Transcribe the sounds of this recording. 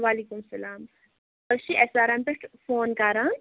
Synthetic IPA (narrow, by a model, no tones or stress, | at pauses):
ʋaːlikumsɐlaːm | bɐʃiʔɛsaːɾɐmpeʈfoːnkɐɾan